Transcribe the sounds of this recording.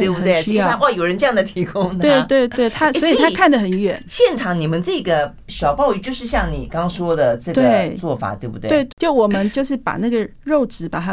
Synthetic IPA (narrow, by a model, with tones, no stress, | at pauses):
t̪we˥˩ɪbu˧˩˧t̪we˥˩˥a˥˧wa˥˩jo˨˩ʊɻə˧˥nʈ͡ʂɤ˥˧jɑ˥˩ŋd̪ə˩t̪ʰi˧˥kʊ˥ŋwe˥˧ɪ˩t̪we˥˧ɪt̪we˥˩ɪt̪ʰa˥sɔ˧˥i˨˥t̪ʰa˥˨kʰa˥˩ndə˩xə˨˩˦nɥɛ̰˨˩˦nɕjɛ˥˩nʈ͡ʂʰɑ˧˥ŋni˨˩mə˦nʈ͡ʂɤ˥˩ɡə˩ | ɕjɑ˨˩ʊpɑ˥˧ʊy˥˧˩t͡ɕjo˥˧ʊʂɻ̩˥˧ɕjɑ˥˩ŋni˨˩kɑ˥ŋʂwɔ˥d̪ə˨ʈ͡ʂɤ˥˩t̪wɡeə˩˥˩ɪt͡swɔ˥˩fa̰˨˩˦t̪we˥˩bṵ˨˩t̪we˥˧˥ɪ˥t͡ɕo˥˩ʊwɔ˨˩mə˦nt͡ɕjo˥˧ʊʂɻ̩˥˩pa̰˨˩na˥˩ɡə˨ | ɻo˥˩ʊʈ͡ʂɻ̩˧˥pa̰˨˩t̪ʰa˥